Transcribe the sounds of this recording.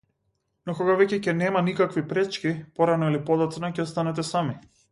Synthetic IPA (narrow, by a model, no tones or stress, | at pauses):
nɔkoɡavɛcɛcɛnɛmanikakvipɾɛt͡ʃkipɔɾanɔilipɔd̪ɔt̪snacɛɔst̪anɛt̪ɛsami